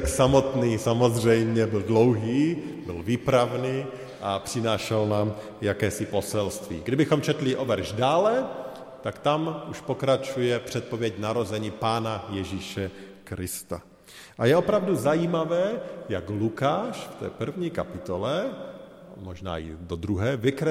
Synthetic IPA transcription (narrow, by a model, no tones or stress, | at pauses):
ksamot̪niːsamozr̝ɛjmɲɛbɪldlowɦiːbɪlviːpɾavniː | ʔapr̥ɪnaːʃɛlnaːm | jakɛːsɪposɛlst̪ʋḭːɡdɪbɪxomt͡ʃɛt̪lɪʔovɛɾʒdaːlɛ | t̪akt̪amuʃpokɾat͡ʃujɛpr̥ɛt̪̚povjɛcnaɾo̞zɛɲipaːnajɛʒiʃɛkɾɪst̪a | ʔajɛopɾavduzajiːmavɛːjaɡlukaːʃft̪ɛ̰ːpr̩vɲiːkapɪt̪olɛ | moʒna̰ːɪ̰dod̪ɾuɦɛːvɪkɾɛ